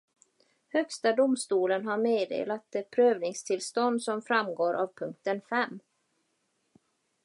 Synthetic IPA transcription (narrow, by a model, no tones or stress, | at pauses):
hœkst̪ad̪ʊmst̪uːlənɦaɾmeːd̪ḛːlat̪̚d̪ɛpʰɾøːvnɪŋst̪ʰɪlst̪ɔnd̪sɔmfɾamɡoːɾʔavpʰɵŋk̚t̪ənfɛmː